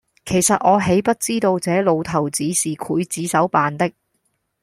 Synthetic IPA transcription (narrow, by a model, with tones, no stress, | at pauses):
kʰe˨˩jsɐ˨t̚ʔɔː˨˧ɦe˨˥jpɐ˥t̚t͡siː˥t̪o˧wt͡sɛː˨˥lo˨˧wt̪ʰɐ˨˩wt͡siː˨˥siː˨kʰuː˨˥jt͡siː˨˥sɐ˨˥wpaː˨nt̪ɪ˥k̚